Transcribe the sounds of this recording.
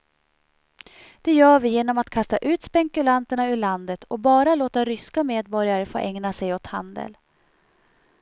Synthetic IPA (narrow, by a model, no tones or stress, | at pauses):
d̪̥ɛjœːɾvɪjeːnɔmat̪kʰast̪aʔʉ̟ːt̪spɛŋkɵlant̪əɳaɵɭand̪ət̪ʰɔbɑːɾaloːt̪aɾʏskameːd̪̚bɔɾjaɾəfo̰ːʔɛŋnasɛjɔt̪ha̰nd̪ə̰l